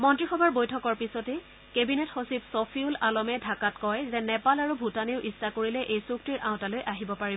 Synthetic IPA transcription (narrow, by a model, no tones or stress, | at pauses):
mɔntɹixɔbʱaɹbojtʰɔkɔɹpisɔtɛ | kebinethosipsopʰiulalɔmɛdʱakatkɔjzɛnɛpalaɹubʱutaniʊʔistakoɹilɛʔejsuk̚tiɹʔãʊ̃talojʔaɦibɔpaɹibɔ